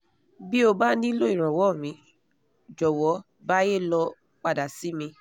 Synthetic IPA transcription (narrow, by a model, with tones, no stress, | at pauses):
bi˦o˧ba˦nĩ˦lo˦i˨ɾ̃ɔ̃˨wɔ˨˦˨mĩ˨˦ | d͡ʒɔ˨wɔ˨˦ | ba˦je˦˨lɔ˧ | k͡pa˦˨da˨si˨˦mĩ˧